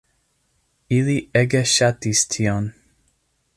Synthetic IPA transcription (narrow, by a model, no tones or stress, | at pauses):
iliʔɛɡəʃatistʰion